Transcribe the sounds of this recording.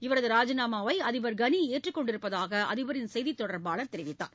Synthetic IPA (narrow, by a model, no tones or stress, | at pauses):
ɪʋɐɾɐðɯɾaːd͡ʒɐnaːmaːʋɐɪɐðɪʋɐɾɡɐnieːʈrɯkːɔɳɖɪɾɯpːɐðaːɣɐʔɐ̰ðɪʋɐɾɪnsɛjðit̪ːɔɽɐɾbaːɭɐɾt̪ɛɾɪʋɪt̪ːa̰ːɾ